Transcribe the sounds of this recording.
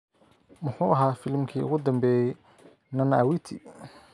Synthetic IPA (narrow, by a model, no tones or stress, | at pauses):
mʊħṵːʔɐɦaːfɪlmkʰiːʊ̰ɣʊd̪ɐmbɛːjɛj | nɐnɐːwit̪ʰḭ